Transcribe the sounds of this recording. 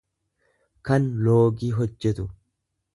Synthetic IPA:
kɐnloːɡiːɦɔd͡ʒːɛt̪ʊ

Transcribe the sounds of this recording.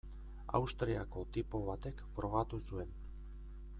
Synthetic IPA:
a̰wst̪ɾiako̞t̪ipoβat̪e̞kfɾo̞ɣat̪usue̞n

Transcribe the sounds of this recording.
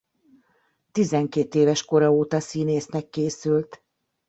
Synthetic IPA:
t̪izɛŋkeːt̪eːvɛʃko̞ɾɒoːt̪ɒsiːneːsnɛkːeːsylt̪

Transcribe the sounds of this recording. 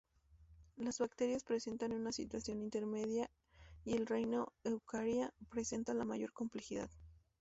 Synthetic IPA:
lazβakt̪e̞ɾjaspɾe̞se̞nt̪anunasit̪wasjo̞nint̪e̞ɾme̞ðja | ielrejnoewkaɾjapɾe̞se̞nt̪alamaʝo̞ɾko̞mple̞xiða̰ð

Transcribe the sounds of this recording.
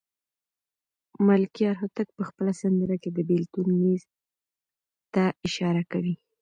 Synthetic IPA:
malkijɑɾɦʊt̪ak̚pəxpəlasand̪əɾaked̪əbelt̪unːiz | t̪aɪʃɑɾakawi

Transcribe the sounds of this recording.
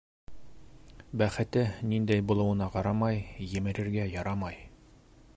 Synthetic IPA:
bæχɘ̆t̪ɘnind̪æjbulˠɤ̆wɤ̆nɑqɑɾɑmɑjjɘ̆mɘ̆ɾɘ̆ɾɡæjɑɾɑmɑj

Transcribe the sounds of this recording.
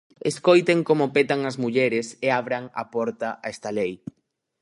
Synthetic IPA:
eskojt̪eŋkomʊpet̪aŋɐzmuʎɛɾɪseaβ̞ɾaŋɐ̰pɔɾt̪ɐʔaɛst̪ɐlej

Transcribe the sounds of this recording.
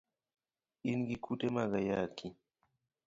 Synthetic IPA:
inɡikʰutemaɡajaki

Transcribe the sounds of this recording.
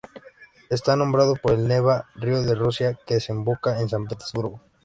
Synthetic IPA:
est̪anõ̞mbɾað̞opo̞ɾe̞lneβarioðe̞rusjake̞ðesembo̞kae̞ns̬amp̬et̪ezβuɾɣo

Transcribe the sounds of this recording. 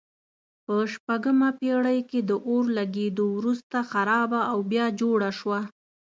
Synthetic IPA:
pəʃpaɡəmapeɽəjked̪əʔoɾlaɡed̪owɾust̪axaɾɑbaːwbjɑd͡ʒoɽaʃwa

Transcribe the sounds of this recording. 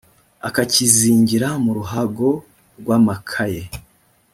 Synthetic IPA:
akaciziːɲɟiɾamuɾuɦaɡo̞ | ɾɡwaːmakʰaje

